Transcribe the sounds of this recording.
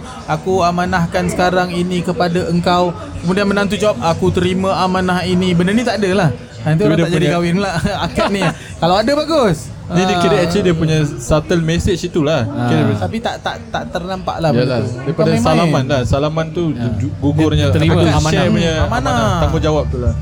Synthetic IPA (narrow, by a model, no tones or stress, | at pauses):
akuamanahkansə̥kaɾaŋinikəpadaʔəŋkaw | kəmudianmənant̪̬ud͡ʒawap̚akut̪əɾimãamanaɦinibənərnit̪aʔadəlah | t̪uapidiad͡ʒdiɡawɪnlaakaʔ̪̚ni | kalawadabaɡus | nidikiɾəɛt͡ʃidiəpuɲasat̪əlmɛsɪt͡ʃit̪ulahkiɾət̪apit̪aʔt̪aʔt̪aʔt̪ərnampa̰ʔlajaladajpadasalamanlahsalamant̪uɡuɡʊrɲaiuamanapuɲaamanaat̪amud͡ʒawap̚t̪ula